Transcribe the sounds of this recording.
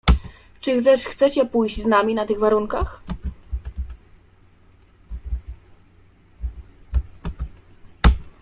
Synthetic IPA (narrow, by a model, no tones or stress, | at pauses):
t͡ʂɘxt̪sɛʂxt̪sɛt͡ɕɛpujʑd͡ʑznamʲinat̪ɘɣvaɾuŋkax